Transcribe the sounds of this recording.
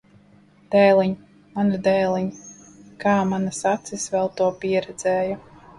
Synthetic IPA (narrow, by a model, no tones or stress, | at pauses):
d̪̥ɛːliɲ | manad̪ɛːlˠiɲ | kaːmanasat̪sisvɛlˠt̪uɔpiɛɾɛd̪zɛːja